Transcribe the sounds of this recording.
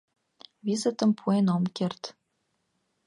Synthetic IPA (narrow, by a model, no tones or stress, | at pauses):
βizɘ̆t̪ə̆mpʰuenomkert̪